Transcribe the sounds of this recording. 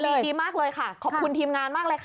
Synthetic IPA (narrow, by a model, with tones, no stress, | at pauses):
lːiː˧maː˥˩k̚lɤː˧jka˥˩kʰɔː˨˩p̚kʰu˧nt̪ʰiː˧mŋaː˧nmaː˥˩k̚lɤː˧jkʰa˥˩